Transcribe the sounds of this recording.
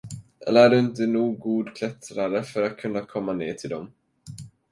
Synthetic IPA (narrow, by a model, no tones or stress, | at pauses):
ʔɛ̰lːəæɖɵɪnt̪ənuːɡːuːd̪kʰlɛt̪ɾaɾəfœɾat̪̚kʰɵnːakʰɔmːanḛːt̪ʰɪld̪ɔm